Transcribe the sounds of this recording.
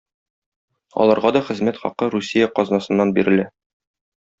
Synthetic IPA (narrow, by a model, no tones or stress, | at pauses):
ɒ̰lˠɑɾʁɑd̪ɒχɘ̆zmæt̪χɒ̰qɤɾusʲijɑqɒznɑsɤ̆nːɑnbiɾɘ̆læ